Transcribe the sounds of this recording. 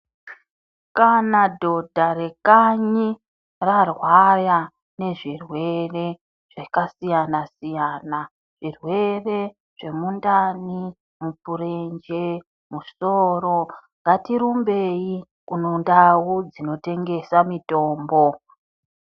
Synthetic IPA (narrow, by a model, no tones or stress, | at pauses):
kanadʱo̞dʱaɾekaɲi | rarwaja | ne̞ʐirwe̞re̞ | ʐ̥ekasijanasijaːna | ʐ̥irwe̞re̞ | ʐ̥e̞mundani | mupuɾend͡ʒe | muso̞ɾo̞ŋɡatiɾumbe̞i | kunondawud͡zino̞te̞ŋɡe̞samito̞ːmbo̞